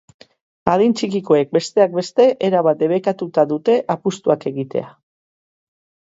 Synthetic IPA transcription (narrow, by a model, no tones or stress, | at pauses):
aðint͡ʃikiko̞e̞k̚be̞st̪e̞ak̚be̞st̪e̞ʔeɾaβat̪̚d̪e̞βekat̪ut̪aðut̪e̞ʔapust̪uake̞ɣit̪e̞̰a